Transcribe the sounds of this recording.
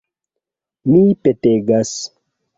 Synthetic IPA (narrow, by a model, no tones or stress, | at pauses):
mipeteɡas